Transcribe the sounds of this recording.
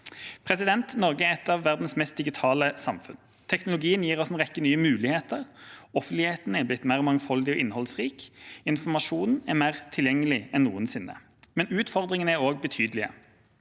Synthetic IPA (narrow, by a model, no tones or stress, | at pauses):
pʰʁɛsɪd̪ɛnt̪nɔʁɡəæʁɛt̪ːɑːʋːæʁd̪n̩smɛst̪̚d̪ɪɡɪt̪ʰɑːləsɑmfʉ̰n | t̪ʰɛknʊlʊɡiːənjiːʁɔsɛnʁɛkːənyːəmʉːlɪheːt̪əʁɔfənt̪lɪheːt̪nəɛblɪt̪ːmæːʁɔmɑŋfɔld̪ɪɔʔɪnhɔlsʁiːkɪnfɔmɑʂuːnɛmeːʁt̪ʰɪljɛŋːəlɪɛnːṵːənsɪnːə̰ | mɛnʉːt̪fɔʁd̪ʁɪŋənəæʁoːɡ̚bət̪ʰyːd̪əlɪə̰